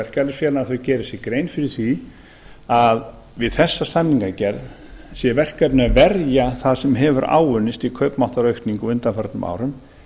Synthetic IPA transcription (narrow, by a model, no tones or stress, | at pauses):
ɛr̥kalɪsfjɛːlnaɾθœɥcɛːɾɪsjɛkɾejnfɪɾɪ̥θi | að | vɪðθɛsːast̪anːiŋkacɛɾð | sjɛvɛr̥kɛpnavɛɾjaθaðsɛmɦɛvʏɾa̰ːwʏnːɪst̪ikʰœɥpmawht̪aɾœɥht̪niŋkɔʏnt̪anfœɾt̪nʏmʔa̰ːwɾʏm